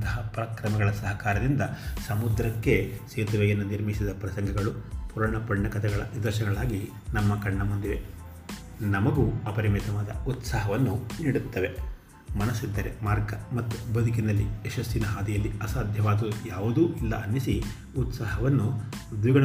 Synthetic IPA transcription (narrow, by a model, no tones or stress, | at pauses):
t̪ɐɦɐpɾɐkɾɐmɐɡɐɭɐsɐɦɐkaːɾɐd̪ind̪ɐsɐmud̪ɾɐkːe̞seːt̪ɐʋɛjɐnːuniɾmisid̪ɐpɾɐsɐŋɡʱɐɡɐɭupuɾɐɳɐpɐɳːɐkɐt̪ʰɛɡɐɭɐ̰nid̪ɐɾʃɐɡɐɭaːɡi | nɐmːɐkɐɳːɐmund̪iʋe̞ | nɐmɐɡuɐpɐɾimit̪ɐʋaːd̪ɐ̰ut̪saːɦɐʋɐnːuniːɽut̪ːɐʋe̞ | mɐnɐsid̪ːɐɾemaːɾɡɐmɐt̪ːubɐd̪uk̬inɐlːieʃɐsinɐɦaːd̪ijɐlːiɐsaːd̪ʱjɐʋaːd̪ujaːʋud̪uːilːɐ̰ʔɐnːisi | ut̪saːɦɐʋɐnːud̪ʋiɡɐɳ